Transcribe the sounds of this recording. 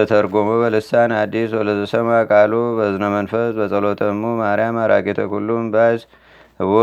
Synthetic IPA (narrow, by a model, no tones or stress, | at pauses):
ət̪ʰəɾɡomoβəlɨsanad̪ːiswɔləzəsəmakʼalobəzɨnəmənfəsbəsʼəlo̞t̪ʰəmːumaɾjamaɾa̰kʼet̪ʰəkulːumbas | hɨβo